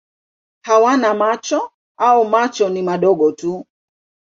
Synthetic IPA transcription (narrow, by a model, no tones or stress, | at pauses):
hawanamat͡ʃɔ | aumat͡ʃɔnimaɗɔɡɔtu